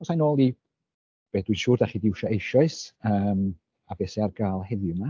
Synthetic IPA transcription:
ɔsajnoːlˠi | b̥ɛːd̥wiʃuːrdaχidɪwʃɔejʃɔɨsəːm | abɛsɛarɡaːlˠhɛðjʊma

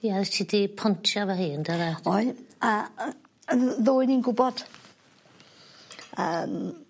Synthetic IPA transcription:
jaɛstʰidipʰɔntʰjavaɦiːəndaɾaɔjə | ðoːɨninɡʊbɔd̥ | əm

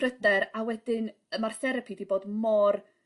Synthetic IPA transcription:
rədɛɾawɛdɪn | əmarθɛɾəpʰidiboːdmɔr

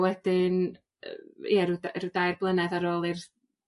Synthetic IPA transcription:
wɛd̥ɪn | jɛrudarudajrblˠənɛðaɾoːlˠɪr

